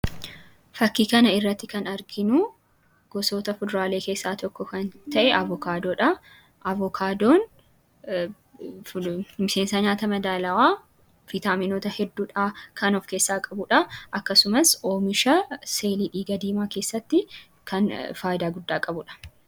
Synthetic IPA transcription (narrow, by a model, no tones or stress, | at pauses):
fɐkːiːkɐnɐɪrːɐt̪ːɪkɐnɐɾɡɪnʊ | ɡ̥ɔsoːt̪ɐfʊd̪ɾaːle̞ːke̞ːsːaːt̪ɔkːɔkɐnt̪ɐʔɛʔɐvɔkaːd̪oːᶑɐ | ʔɐvɔkʰaːd̪oːn | mɪse̞ːnsɐɲaːt̪ɐmɐd̪aːlɐwaː | fɪt̪aːmɪnoːt̪ɐhɛd̪ːuːᶑakʰɐnɔfke̞ːsːaːkʼɐbʊᶑɐʔɐkːɐsʊmɐsoːmɪʃɐse̞ːliːᶑiːɡɐd̪iːmaːke̞ːsːɐt̪ːɪ | kɐnfaːjɪd̪aːɡʊd̪ːaːkʼɐbʊᶑɐ̥